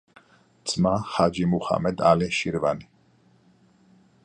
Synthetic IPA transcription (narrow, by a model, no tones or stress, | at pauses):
t̪sʼmaχad͡ʒimuχa̰mɛd̪aliʃiɾvani